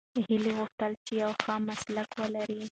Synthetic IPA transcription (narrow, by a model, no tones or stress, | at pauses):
hɪliɣʊxʈəlt͡ʃejawxamaslakwəlaɾi